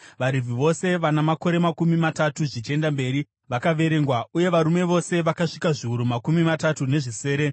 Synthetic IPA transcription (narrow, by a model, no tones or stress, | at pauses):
ʋaɾivʱiʋo̞se̞ʋanamako̞ɾe̞makumimatatuʐit͡ʃe̞ndambe̞ːɾi | ʋakaʋe̞ɾe̞ŋɡwaʔuje̞ʋaɾume̞ʋo̞se̞ʋakaʂikaʐiuɾumakumimatatune̞ʐise̞ːɾe̞